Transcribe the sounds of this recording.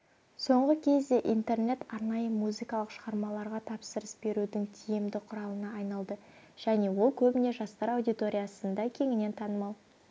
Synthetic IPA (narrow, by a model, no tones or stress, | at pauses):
so̞ɴʁəkʲʰe̞zd̪e̞ʔint̪e̞rne̞t̪ɑɾnɑjəmuzikɑlˠəqʃəʁɑɾmɑlˠɑɾʁɑt̪ʰɑpsəɾəsbe̞ɾud̪ɪŋt̪ʰijɪmd̪ɪqʰʊɾɑlˠənɑːjnɑlˠd̪ə | ʒ̥æne̞wo̞lˠkʲʰɵbɪne̞ʒɑst̪ɑɾɑwd̪ijt̪o̞ɾʲijɑsənd̪ɑkʲʰe̞ŋɪne̞nt̪ʰɑnəmɑw